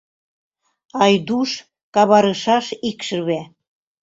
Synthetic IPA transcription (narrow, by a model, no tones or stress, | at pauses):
ɑjd̪uʃ | kɑβɑɾɤʃɑʃikʃə̆βe